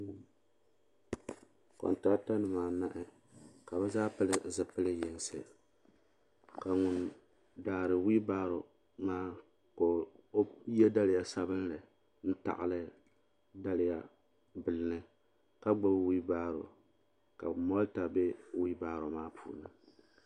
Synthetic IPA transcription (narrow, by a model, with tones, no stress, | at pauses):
ko̰˨nta˦ta˦nɨ˨maː˨na˦ʔɪ˦ | ka˨bɛ˦zaː˦pɨ˦lɨ˨zɨ˨pɨ˦lɨ˦jɛ˨n˦sɨ̰˨ | ka˨ŋʊ˨n | daː˨ɾɨ˨wi˦baː˦ɾo˨ | maː˦ | ko˨˦ | jɛ˦da˦lɪ˨ja˨sa˦bɨ˦n˦lɨ˨ | n̩˦ta̰˨ʔɨ̰˨lɨ˦ | da˦lɪ˨ja˨ | bɨ˨lɨ˨nɨ˦ | ka˦ɡ͡ba˦bwi˦baː˦ɾo̰˨ | ka̰˨mɔ˦lta˨be˦wi˦baː˦ɾo˨maː˦pʰṵː˨nɨ˦